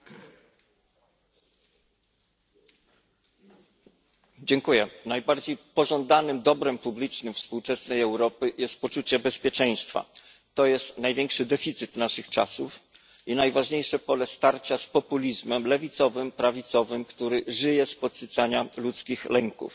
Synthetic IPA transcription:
d͡ʑɛŋkujɛnajbaɾd͡ʑejpɔʐɔnd̪anɘmd̪ɔbɾɛmpublʲit͡ʂnɘmfspuwt͡ʂɛsnɛjɛwɾɔpɘjɛst̪̚pɔt͡ʂut͡ɕɛbɛspʲjɛt͡ʂɛj̃st̪fa̰ | t̪ɔjɛst̪najvʲɛŋkʂɘd̪ɛfʲit̪sɘt̪naʂɘxt͡ʂa̰suf | inajvaʐɲejʂɛpɔlɛst̪aɾt͡ɕaspɔpulʲizmɛmlɛvʲit̪sɔvɘmpɾavʲit̪sɔvɘmkt̪uɾɘʐɘjɛspɔt̪sɘt̪saɲalut̪skʲixlɛŋkṵf

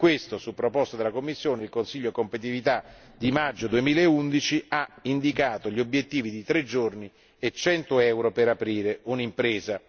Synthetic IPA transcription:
kwest̪osupːɾopɔst̪ad̪elakomːisːjoːneilkonsiʎːokompet̪̬ivit̪a | d̪imad͡ʒːod̪uemiːlaeund̪it͡ʃiaind̪ikaːt̪oʎiobjet̪ːiːvid̪it̪ɾed͡ʒːorni | et͡ʃːɛnt̪oɛwɾopeɾapɾiːɾeunimpɾeːza

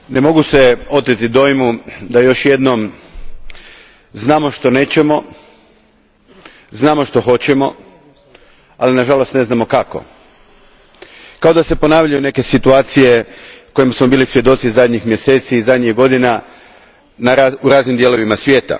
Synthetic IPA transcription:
ne̞mo̞ɡuse̞o̞t̪it̪id̪o̞jmud̪ajo̞ʃje̞d̪nom | znaːmo̞ʃt̪o̞ne̞ːt͡ɕe̞mo̞ | znaːmo̞ʃt̪o̞xo̞t͡ɕe̞mo̞̰ | alinaʒalo̞st̪ne̞znamo̞kako̞̰ | kao̞d̪ase̞po̞naːʋʎajune̞ke̞sit̪uaːt̪sije̞ko̞jimasmo̞biːlisʋje̞d̪o̞t̪sizad̪ʲɲixmje̞se̞ːt̪siːzad̪ɲiɡo̞d̪ina | naauɾaːznimd̪jelo̞ʋimasʋje̞ːt̪a̰

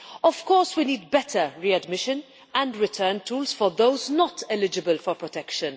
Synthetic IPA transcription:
ɔv̥kɔːɹswiniːd̚bɛtʰəɹiɐdmɪʃə̃n | æ̃ndɾɪtʰəːntuːlsfɔɾðowznɔtɛlɪd͡ʒɪbəlfɔɾpɹɔtɛkʃə̃n

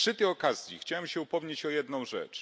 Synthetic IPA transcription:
ʂɘt̪ɛjɔkazʲjḭxt͡ɕawɛmɕɛupɔvɲet͡ɕɔjɛd̪nɔ̃w̃ʐɛ̰t͡ʂ

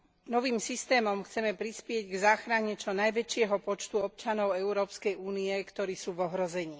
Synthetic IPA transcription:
nɔʋiːmsist̪ɛːmɔmxt͡sɛmɛpɾispɪɛɟɡzaːxɾaɲɛt͡ʃɔnajʋɛt͡ʃɪɛɦɔpɔt͡ʃt̪uɔp̚t͡ʃanɔʊɛʊɾɔːpskɛjuːniɛkt̪ɔɾiːsuːʋɔɦɾɔzɛɲiː

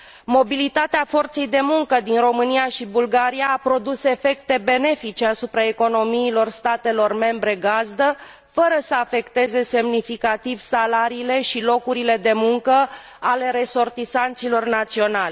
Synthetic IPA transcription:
mo̞bilit̪at̪eafo̞rt̪se̞jd̪e̞muŋkəd̪inro̞mɨnijaʃibulɡaɾijaːpɾo̞d̪use̞fe̞kt̪e̞be̞ne̞fit͡ʃe̞asupɾae̞ko̞no̞miːlo̞rst̪at̪e̞lo̞rme̞mbɾe̞ɡazd̪ə | fəɾəsəafe̞kt̪e̞ze̞se̞mnifikat̪ivsalaɾiːle̞ʃilo̞kuɾile̞d̪e̞muŋkə | ale̞ɾe̞so̞rt̪isant̪silo̞rnat̪sio̞nalʲ

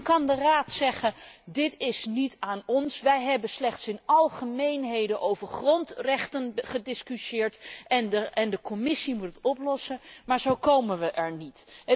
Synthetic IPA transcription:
kɑndəraːtsɛχədɪtɪsnitaːnɔnsʋɛjɦɛbəslɛχtsɪnɑlˠχəmejnɦejdənʔowvəɹχrɔntrɛχtənχədɪskyʃɪːɹtɛnəɛndəkɔmɪsimutətɔplɔsəmaːɹzowkowmənʋəʔɛɹnit

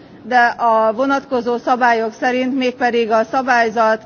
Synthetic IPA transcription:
d̪ɛʔɒvo̞nɒt̪ko̞zoːsɒbaːjo̞ksɛɾint̪meːk̚pɛd̪iɡɒsɒbaːjzɒt̪

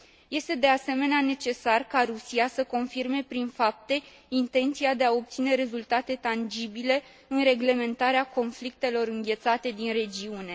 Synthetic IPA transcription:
je̞st̪e̞d̪e̞ase̞me̞neane̞t͡ʃe̞sarkaɾusiasəko̞nfirme̞pɾinfap̚t̪e̞ | int̪e̞nt̪siad̪e̞ao̞p̚t̪sine̞ɾe̞zult̪at̪e̞t̪and͡ʒibile̞ | ɨnre̞ɡle̞me̞nt̪aɾeako̞nflik̚t̪e̞lo̞ɾɨŋɡʲe̞t̪sat̪e̞d̪inre̞d͡ʒiune̞

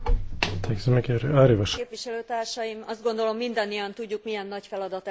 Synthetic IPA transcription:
t̪ʰɛksmekeɾaːɾivɒʃpʋiʃɛløːt̪aːrʃɒjimɒzd̪ɡo̞nd̪o̞lo̞mːind̪ɒnːijɒnt̪uɟːukmijɛnːɒcfɛlɒd̪ɒt̪

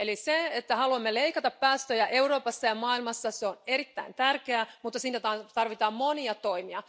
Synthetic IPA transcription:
eliseet̪ːæhɑluɑmːeleikɑt̪ɑppæːst̪øjæʔe̞uɾo̞ːpɑsːɑjɑmɑːilmɑsːɑseoneɾit̪ːæ̰int̪ærkeæmut̪ːɑsiːt̪æt̪ɑt̪ɑrʋit̪ɑːmmoniɑt̪o̞imiɑ

